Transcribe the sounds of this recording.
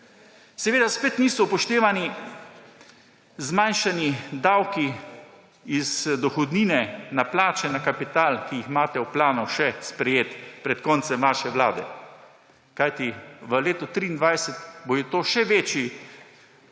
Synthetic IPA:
sɛʋeːd̪aspeːt̪niːsɔpɔʃt̪eːʋani | zmajnʃanid̪awki | izd̪ɔxɔd̪niːnɛnaplaːt͡ʃɛnakapit̪aːlkijixmaːt̪ɛwplaːnɔʃɛspɾɛjeːt̪pɾɛt̪kɔnt̪sɛmʋaːʃɛʋlaːd̪ɛ | kajt̪iʋəleːt̪ɔt̪ɾiːnd̪ʋajsɛt̪bojɛt̪oːʃɛʋeːt͡ʃji

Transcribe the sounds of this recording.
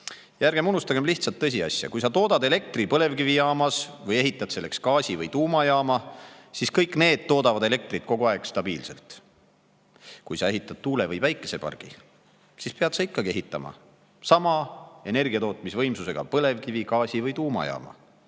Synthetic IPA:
jærɡ̥e̞munust̪ɑɡemliht̪sɑlt̪ːɤs̬ʲiɑ̰sʲjɑ̰kujsɑt̪o̞ːd̪ɑd̪e̞le̞k̚t̪ripɤle̞vkivijɑːmɑsvɤje̞ɦit̪ːˑɑd̪se̞lːe̞kskɑːsʲivɤjt̪uːmɑjɑːmɑsiskɤjkːˑne̞ːd̪̥̚t̪o̞ːd̪ɑvɑd̪̥e̞le̞k̚t̪rit̪̚ko̞ɡ̥uɑeɡ̥st̪ɑb̥iːlse̞̰lt̪ | kujsɑe̞ɦit̪ːˑɑd̪̥̚t̪uːlevɯjvæjkːˑe̞se̞pɑ̰rɡ̥ḭ | sispeɑd̪sɑikˑːɑɡie̞ɦit̪ːˑɑmɑ̰ | sɑmɑe̞ne̞rɡ̥iɑt̪o̞ːt̪misvɤ̞jmsuse̞ɡ̥ɑ̰pɤle̞vkivikɑːsʲivɤjt̪uːmɑ̰jɑ̰ːmɑ̰

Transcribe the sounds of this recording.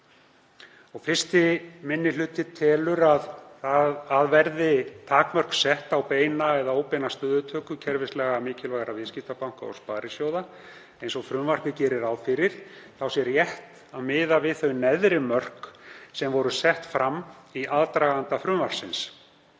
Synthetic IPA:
ɔɣfɪr̥st̪ɪmɪnːɪlʏːt̪ɪt̪ʰɛlʏɾaðaaðvɛɾðɪt̪ʰaːkmœr̥ksɛht̪awpeːjnaɛðaoːwpɛnast̪œːðʏt̪ʰœːkʏcʰɛɾvɪslɛɣamɪːcɪlvaɣɾavɪscɪft̪apawŋ̥kaɔ̰spaːɾɪsjowða | ejnsɔɣfɾʏmvar̥kɪcɛːɾɪɾawfɪɾɪɾ̥θawsjɛɾjɛht̪ | aðmɪːðavɪðθœɥnɛðɾɪmœr̥ksɛmvɔɾʏsɛht̪fɾamː | iʔaːðt̪ɾaːɣant̪afɾʏmvar̥sɪns

